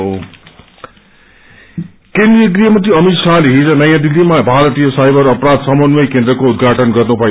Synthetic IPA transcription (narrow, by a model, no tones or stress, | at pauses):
ɦo | kend̪ɾijʌkrijʌmʌt̪̬iʌmit̪saliɦid͡zʌnʌjãd̪ilːimabʱaɾʌt̪ijʌsajbʌɾʌpɾad̪sʌmʌnwʌjkend̪ɾʌkoud̪ɡʱaʈʌnɡʌrnubʱʌ